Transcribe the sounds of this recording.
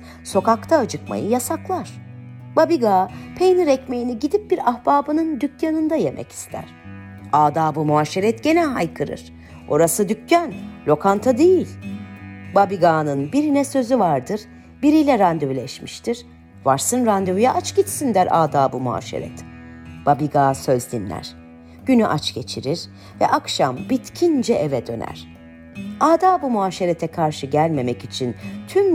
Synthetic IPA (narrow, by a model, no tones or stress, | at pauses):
so̞kakt̪ʰaːd͡ʒɯkma̰jɯjasaklˠaɾ̥ | babiɡaːpʰejniɾɛcme̞jiniɟid̪ip̚biɾahbaːbɯnɯnd̪ycjanɯnd̪aje̞mʔɛ̰ci̥st̪ʰæ̰ɾ̥ | aːd̪aːbɯmuaːʃeɾɛt̪ɟe̞nɛɦajkʰɯɾɯ̰ɾ̥ | o̞ɾasɯd̪ycjanlʲo̞kʰant̪ʰad̪ejilʲ | babiɡaːnɯnbiɾinɛsø̞zyvaɾd̪ɯɾ | biɾijlʲɛɾand̪yvlʲɛʃmiʃt̪ʰiɾ̥ | vaɾsɯnɾand̪yvyjɛʔat͡ʃɟit͡ʃsind̪æɾaːd̪aːbumua̰ːʃḛɾɛ̰t̪ʰ | b̥abiɡaːsø̞zd̪inlʲæ̰ɾ̥ | ɟ̥ynyʔat͡ʃɟe̞t͡ʃʰiɾiɾ̥ | vɛ̰ʔakʃambit̪cʰind͡ʒɛʔevɛd̪ø̞̰næ̰ɾ̥ | aːd̪aːbumuaːʃeɾet̪ʰɛkʰaɾʃɯɟælʲme̞mɛcit͡ʃʰint̪ʰym